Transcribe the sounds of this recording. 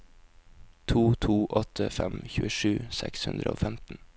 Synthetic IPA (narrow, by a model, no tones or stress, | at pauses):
t̪ʰuːt̪ʰuːʔɔt̪ʰəfɛmçʉːəʂʉːsɛkshʉnd̪ɾəo̰ːfɛmt̪n̩